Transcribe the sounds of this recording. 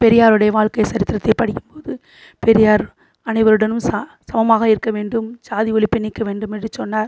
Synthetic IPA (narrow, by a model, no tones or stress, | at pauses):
pɛɾɪjaːɾɯɽɐjɐʋaːɭkɐɪsɐɾɪt̪ːɪɾɐt̪ːɐɪpɐɽɪkːɯmpoːðɯ | pɛɾɪjaːɾ | ɐnɐɪʋɐɾɯɽɐnɯmssɐmɐmaːɣɐɪɾɯkːɐʋeːɳɖɯmsaːðiɔɭɪpːɪnːɪkːɐʋeːɳɖɯmɛndrɯt͡ʃɔnːaːɾ